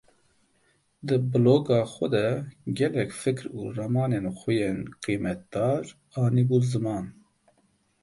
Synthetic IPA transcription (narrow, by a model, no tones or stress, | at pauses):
d̪ɨbɨloːɡɑːxʷɛd̪ɛɡɛlɛkʲfɨkɾṵːrɑmɑːneːnxʷujeːnqiːmɛt̪̚d̪ɑːɾ | ɑːniːbuːzɨmɑːn